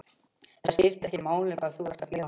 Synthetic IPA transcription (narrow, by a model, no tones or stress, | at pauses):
ɛascɪft̪ɛhcɪmaːwlɪkaðθuvaɾ̥st̪atleːa